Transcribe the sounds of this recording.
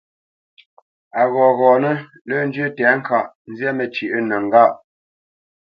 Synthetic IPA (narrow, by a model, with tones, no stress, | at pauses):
a˨ɣɔː˨ɣɔː˨nə˦ | lə˦n̩˦d͡ʒɥə˦tɛ˨˦ŋ̩˦kʰa˦˨ʔ | n̩˦zjɛ˦mə˨t͡ʃi˨ʔə˦nə˨ŋ˨ɡa˦˨ʔ